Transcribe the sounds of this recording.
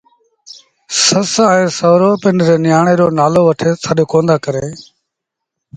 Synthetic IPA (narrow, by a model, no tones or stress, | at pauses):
səsɛ̃ːsəʋɾoːpɪnɾeːnɪjaːɳeːɗoːnaːloːʋəʈʰeːsʰaːɗoːkõːnd̪aːkəɾeː